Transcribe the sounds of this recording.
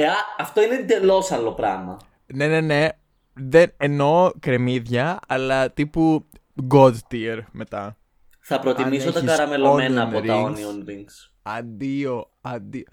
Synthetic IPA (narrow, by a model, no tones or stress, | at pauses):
eɐɐft̪o̞ined̪e̞lo̞sɐlo̞pɾɐmɐ | ne̞ne̞ne̞ | ðeneno̞kɾe̞miðʝɐɐlɐt̪ipu | ɡod̪t̪ieɾme̞t̪ɐ | θɐpɾo̞t̪imisot̪ɐkɐɾɐme̞loome̞nɐːoɾɐiŋonionɾiŋɡs | ɐnd̪io | ɐnd̪io